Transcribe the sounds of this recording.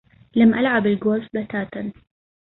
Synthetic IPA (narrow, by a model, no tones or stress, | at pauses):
lamʔalʕabɪlɡoːzbat̪aːt̪an